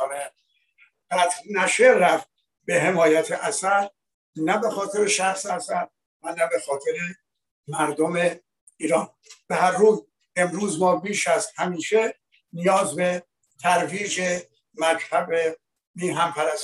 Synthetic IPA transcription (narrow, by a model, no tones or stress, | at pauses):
ne | ɡ̥æt̪ʰɾnæʃeːæft̪̚ | be̞ɦe̞mɒːjæt̪ʰeʔæsæɾ | næbe̞xɒːt̪ʰe̞ɾe̞ʃæxseæsæɾ | vænæbe̞xɒːt̪ʰe̞ɾe̞ | mæɾd̪ome | iːɾɒːn | b̥ehæɾːuːz | e̞mɾuːzmɒːbiːʃæzhæmiːʃe | nijɒːzbe̞ | t̪ʰæɾviːd͡ʒe | mæt͡ʃt̪ʰæbe | miːɦæmpʰæɾæs